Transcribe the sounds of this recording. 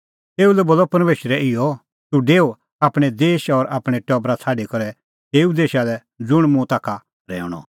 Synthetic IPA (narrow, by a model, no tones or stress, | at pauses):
t̪eːulɛboːlːɔpɐɾmeːʃɾɛʔɪjɔ | t̪uɖeːo | aːpɽ̃ɛd̪eːʃɔɾaːpɽ̃ɛʈɔːbɾat͡sʰaːɖikɔɾɛ | t̪eːud̪eːʃalɛ | d͡zʊɽ̃mũt̪aːkʰa | ɾɛ̰ːʊɽ̃ɔ̰